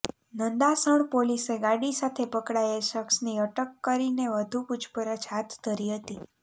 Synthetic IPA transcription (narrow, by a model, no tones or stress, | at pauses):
nənd̪asəɳpoliseɡaɽisat̪ʰepəkɽaeʃəksniəʈəkːəɾineʋəd̪ʱuput͡ʃʰpəɾət͡ʃʰɦat̪d̪ʱəɾiɦət̪i